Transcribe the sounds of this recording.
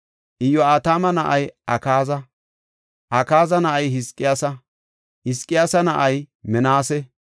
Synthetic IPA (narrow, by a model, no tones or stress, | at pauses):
ʔɪjːɔaːt̪aːmɐnɐʔɐjʔɐkaːzɐ | ʔɐkaːzɐnɐʔɐjɦɪskʼːɪjaːsɐ | hɪskʼːɪjaːsɐnɐʔɐjmɛnaːsɛ